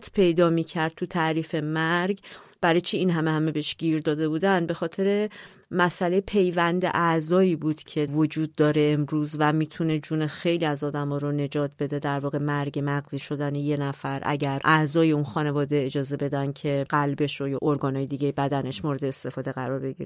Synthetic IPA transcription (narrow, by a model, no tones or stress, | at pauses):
t̪ʰpʰe̞jd̪ɒːmiːcʰæɾd̪̚t̪ʰut̪ʰæɾiːfe̞mæɾɡb̥æɾɒjt͡ʃʰeinɦæmehæme̞beeʃɟ̥iːɾd̪ɒːd̪e̞buːd̪ænd̪̚be̞xɒːt̪ʰe̞ɾe̞ | mæsʔæle̞jpʰe̞jvænd̪ḛʔæzɒːiːbuːd̪̥cʰe̞vod͡ʒuːd̪̚ːɒːɾe̞ːmɾuːzvæmiːt̪ʰune̞d͡ʒune̞xe̞jliæzɒːd̪æmɒːɾone̞d͡ʒɒːt̪̚ʰbe̞d̪e̞d̪æɾvɒːɣe̞mæɾɡe̞mæɣziːʃo̞d̪æneje̞næfæɾʔæ̰ɟæɾʔæzɒːjeunxɒːne̞vɒːd̪e̞ːd͡ʒɒːze̞be̞d̪æn̚cʰe̞ɢælbe̞ʃojɒːʔoɾɡɒːnhɒːjed̪iːɟejebæd̪æne̞ʃmoɾed̪eːst̪e̞fɒːd̪e̞ɣæɾɒɾbe̞ɟḭɾe